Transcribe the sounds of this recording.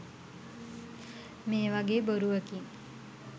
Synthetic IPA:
meːʋaɡeːboɾuʋəkiŋ

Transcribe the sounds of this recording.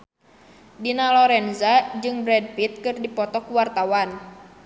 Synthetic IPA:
dinalɔɾɛnzad͡ʒɨŋbɾɛd̚pit̪̚kɨrdipɔt̪ɔkuwart̪awan

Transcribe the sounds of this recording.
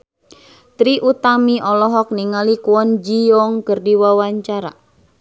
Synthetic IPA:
t̪ɾiʔut̪amiʔɔlɔɦɔk̚niŋalikuwɔnd͡ʒijɔŋkərdiwawaɲt͡ʃaɾa̰

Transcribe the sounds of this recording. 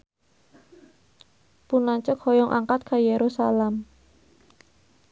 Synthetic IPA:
punaɲt͡ʃəkhɔjɔŋʔa̰ŋkat̪̚kʰajeɾusalɛm

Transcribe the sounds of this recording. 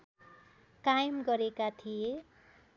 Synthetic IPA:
kajmɡʌɾekat̪ʰije

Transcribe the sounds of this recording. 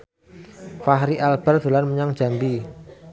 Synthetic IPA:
faɦɾiʔalb̥ə̤rd̪̥ṳlanməɲaŋd̥ʒ̥a̤mbi

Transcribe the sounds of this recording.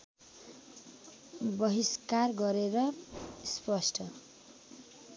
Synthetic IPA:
bʌɦiskarɡʌɾeɾʌspʌsʈʰʌ

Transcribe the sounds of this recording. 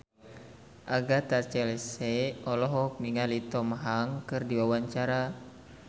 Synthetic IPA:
ʔaɡat̪at͡ʃɛlsɛɔlɔɦɔk̚miŋalit̪ɔmaɦaŋkɨrdiwawaɲt͡ʃaɾa

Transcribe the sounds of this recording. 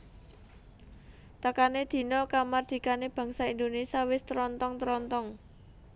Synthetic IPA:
t̪əkaned̪̥i̤nɔkamard̪̥i̤kaneb̥ä̤ŋsaind̪onesiawɪst̪ɾɔnt̪ɔŋt̪ɾɔnt̪ɔŋ

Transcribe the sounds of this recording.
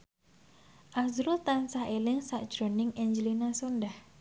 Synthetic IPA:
ʔazɾʊlt̪ansahelɪŋsaʔd̥ʒ̥ɾo̤nɪŋeɲd͡ʒəlinasondah

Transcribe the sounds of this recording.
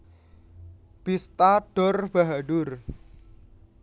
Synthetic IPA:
b̥ist̪aɖ̥ɔrb̥aɦaɖʊr

